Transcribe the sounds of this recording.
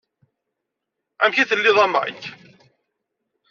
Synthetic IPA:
æmçiθəlːɪðˤɑma̰k

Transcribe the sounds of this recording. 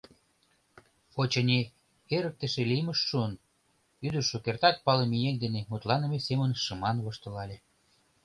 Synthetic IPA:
fot͡ɕenʲe | eɾək̚t̪ə̆ʃeliməʃːuən | yd̪əʃokert̪ɑt̪̚pɑlemijend̪enemut̪lɑnə̆mesemənʃəmɑnβoʃt̪ɤ̆lɑlʲe

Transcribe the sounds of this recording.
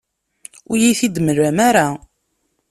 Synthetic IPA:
ʊjiθid̪məɾːæmaɾa

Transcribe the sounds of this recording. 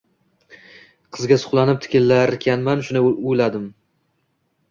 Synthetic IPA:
qʰɨzɡʲasʊ̥χlˠanɪp̚t̪ʰɪ̥kʲɪlːaɾɪkʲʰanmanʃʊnɪʊjlad̪ɪm

